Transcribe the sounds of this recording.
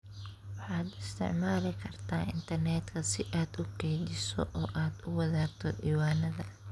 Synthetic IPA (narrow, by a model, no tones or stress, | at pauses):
wɑħɑːd̪ɪst̪ʰɪ̰ʕmaːlɪkʰɐrt̪ʰaːɪnt̪ʰɐrnɛːd̪kʰɐsɪʔaːd̪ʊkʰɛjdɪsɔ̰ʔɔːʔaːd̪ʊwɐðaːɡ̚t̪ʰɔdiːwaːnɐðɐ